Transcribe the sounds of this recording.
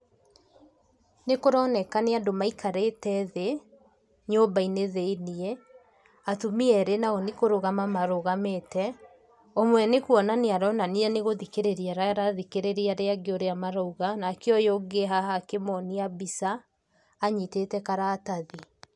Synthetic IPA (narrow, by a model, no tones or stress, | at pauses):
nekoɾɔːnɛkaneadomaikʰaɾetɛðe | ɲombaineðeiniɛ | atumiɛɾenaɣɔnekoɾoɣamamaɾoɣametɛ | omwɛnekwɔnaneaɾɔnaniɛneɣoðikeɾeɾiaɾaaɾaðikeɾeɾiaɾeaɡeoɾeamaɾouɣanakeɔjoɡeɦahakemɔniabisaː | ɲitetɛkaɾaːtaði